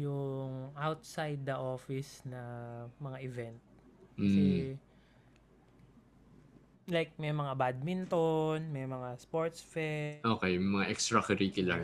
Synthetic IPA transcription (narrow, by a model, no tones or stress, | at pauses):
jʊŋʔawt̪sajd̪ːɐʔo̞ːfɪsnɐmɐŋaʔɪvɛnt̪̩̚sɛ | lajk̚mɛjmɐŋabad̪̚mɪnt̪onmɛjmɐŋaspoɹt̪sfɛʔoːkɛjmɐŋaʔɛkst̪ɾɐkɐɾiːkʊlɐ